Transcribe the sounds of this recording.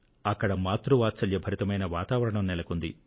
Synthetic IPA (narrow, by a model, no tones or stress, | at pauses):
ɐkːɐɽɐmaːt̪ɾuʋaːt̪t͡ʃɐljɐbʱʰɐɾit̪ɐmɐjnɐʋaːt̪aːʋɐɾɐɳɐmnɛlɐkund̪ḭ